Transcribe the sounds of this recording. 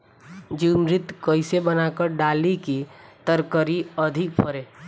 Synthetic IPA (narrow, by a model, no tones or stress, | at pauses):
d͡ʒiːmɾɪt̪kəɪsebənakəɾɖaːlikit̪əɾkəɾiəd̪ʱɪk̚pʰəɾeː